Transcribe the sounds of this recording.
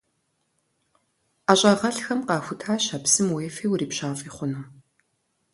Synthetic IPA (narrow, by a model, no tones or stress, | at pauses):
aɕʼɐʁɐɬxɐmqɑːxʷʊtʰaːɕɐpsɨmweːfejwriːpɕaːfʼiːχʷʊnu